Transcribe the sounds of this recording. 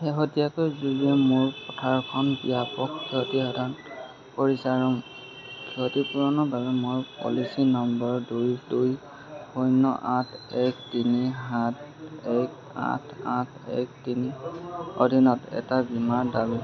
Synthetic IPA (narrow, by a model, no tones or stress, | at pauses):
xeɦotijakojzuliɛmʊɹpɔtʰaɹkʰɔnbijapɔkkʰɛɦɔtiɦɔdʱan | kɔɹisaɹu | kʰɛɦotipuɹɔnɔbaβɛmʊɹpɔ̰lisinɔmbɔɹdujduj | hojnɔ̰ʔatʰɛktiniɦatɛk | a̰tʰa̰tʰɛ̰k̚tiniɔ̰dʱinɔtɛ̰tabimaɹdabi